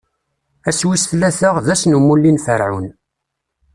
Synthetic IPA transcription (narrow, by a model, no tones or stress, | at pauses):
æswisθlæθəʁðæsnumulːinfəɾʕun